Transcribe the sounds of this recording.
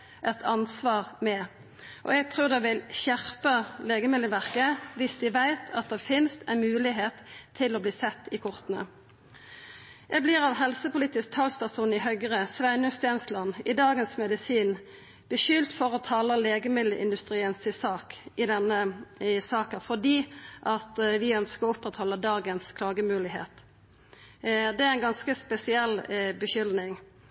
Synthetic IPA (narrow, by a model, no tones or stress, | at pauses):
ʔɛt̪ʰɑnsʋɑːʁmɛ | ʔɔ̰ɛɡ̚t̪ʰʁʉːʁd̪ɛʋɪlçæʁpəleːɡəmɪlːəʋæʁkəʋɪsd̪ɪʋæɪt̪ʰɑt̪̚d̪ɛfɪnst̪ʰæmʉːlɪɦeːt̪ʰːɪlɔbliːsɛt̪ːɪkʰʊʁt̪nə̰ | ʔɛɡblɪʁɑʋɦɛlsəpʊliːt̪ɪsk̚t̪ʰɑlspʰæʁsuːnɪhœɡʁəsʋæɪnʉst̪ɛnslɑnːɪd̪ɑːɡənsmɛd̪ɪsiːn | b̥əʃʏlt̪fɔʁɔt̪ʰɑːləleːɡəmɪd̪ləʔɪ̰nd̪ʉst̪ʁiːənsɪsɑːkɪd̪ɛnəsɑːkənfɔʁd̪iːʔɑt̪ʋɪœnskəʁɔʊpːʁɛt̪hɔlːəd̪ɑːɡənskʰlɑːɡəmʉːlɪɦḛːt̪ | d̪ɛæɛnɡɑnskəspɛsɪɛlbəʃʏlnɪŋ